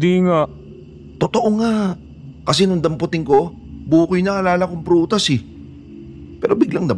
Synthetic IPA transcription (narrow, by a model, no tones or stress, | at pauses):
d̪iŋa | t̪ot̪oʔoŋa | kɐsɛnʊŋd̪ɐmpʊt̪ɪŋko̞ | buːkʊjnɐʔɐlaːlɐkoŋpɾuːt̪ɐsɛ | pɛːɾobɪɡlaŋd̪ɐm